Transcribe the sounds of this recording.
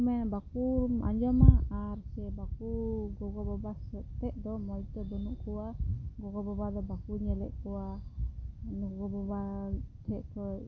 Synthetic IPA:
mɛnbakuma̰ɲd͡ʒɔmaaɾsɛbakuɡɔɡɔbɔbasɛt̪ɛʔd̪ɔmɔjt̪ɔd̪ɔnuʔkʰuwaɡɔɡɔbɔbad̪ɔbakuɲɛlɛ̰ʔkuwa | nɡɔɡɔbɔbat̪ʰɛʔt̪ʰɔj

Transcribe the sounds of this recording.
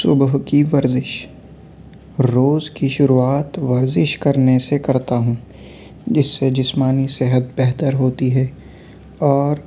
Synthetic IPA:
sʊbɦkiʋɐɾzɪʃ | ɾoːzkiʃʊɾuaːt̪ʋɐɾzɪʃkɐɾnesekɐɾt̪aɦũː | d͡ʒɪsːed͡ʒɪsmaːnisɛɦət̪̚bɛɦt̪əɾɦoːt̪iɦɛː | ɔːɾ

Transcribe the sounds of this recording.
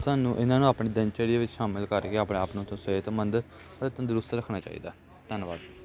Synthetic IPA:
sʊaːnũːʔɪnãːnũːaːpɳiːd̪ənt͡ʃɛɽiʋɪt͡ʃʃaːmɪlkəɾkeːaːpɽeaːpnõːt̪õːsəeːt̪ːmənd̪ | ət̪ːt̪ənd̪ɾʊst̪ɾəkʰnaːt͡ʃa̰ːḭːd̪aː | t̪ɛːnbaːd̪

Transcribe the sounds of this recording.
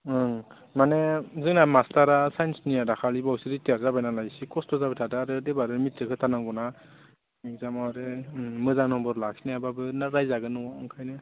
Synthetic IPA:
ɯŋ | manezɯŋnamastaɾasajnsniadakʰalibawsiɾiteɾzabajnalajsikɔstɔzabetʰadaɾɯdebaɾɯmitʰːɯkʰɯtʰanaŋɡɔna | zamaɾɯmɯzaŋnɔmbɔɾlaksineababɯnaɾajzaɡɯnɯwaɯŋkʰajnɯ

